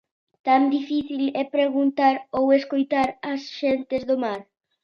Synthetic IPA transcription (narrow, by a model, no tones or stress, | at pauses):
t̪and̪ifiθilɛpɾeɣunt̪aɾoweskojt̪aɾɐsʃent̪ezðomaɾ